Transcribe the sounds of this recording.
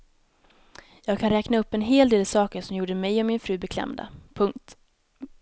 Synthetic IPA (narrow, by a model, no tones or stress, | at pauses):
jɑːɡ̚kʰanɾɛːknaɵpːɛnɦeːld̪eːlasɑːkəʂɔmjuːɖəmɛjɔmɪnfɾʉ̟ːbɛkʰlɛ̰md̪a̰pʰɵŋkt̪